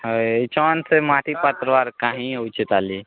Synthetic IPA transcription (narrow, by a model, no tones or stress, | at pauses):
t͡ʃɔnsemaʈʰipat̪ɾəʋaɾkaːɦĩəʊt͡ʃet̪ali